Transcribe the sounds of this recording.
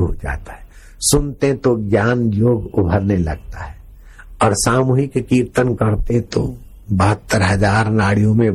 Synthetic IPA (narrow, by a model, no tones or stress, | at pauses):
uɦd͡ʒa̰ːt̪ḁɦɛ | sʊnt̪eɦt̪oɡjaːnjoːɡʊbʱəɾnelɐɡ̚t̪aɦɛ | ɔːɾsaːmuːɦɪkkiːɾt̪ənkəɾt̪et̪o̰ | bəɦət̪ːəɾɦɐzaːɾnaːɽijõmẽ